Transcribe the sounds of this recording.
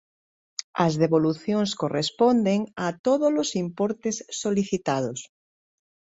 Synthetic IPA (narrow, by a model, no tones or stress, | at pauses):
ɐzðeβoluθjoŋskorespond̪eŋat̪oðolosimpoɾt̪esːoliθit̪aðos